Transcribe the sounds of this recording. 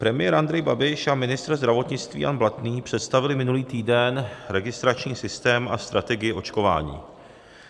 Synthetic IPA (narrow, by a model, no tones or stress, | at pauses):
pɾɛmɪjɛɾʔand̪ɾɛjbabɪʃamɪnɪst̪ɾzd̪ɾavo̞t̪ɲɪt͡st̪vḭːja̰nblat̪niːpr̝̥ɛt̪st̪avɪlɪmɪnuliːt̪iːdɛnɾɛɡɪst̪ɾat͡ʃɲiːsɪst̪ɛːmast̪ɾat̪ɛɡɪjɪo̞t͡ʃko̞va̰ːɲḭː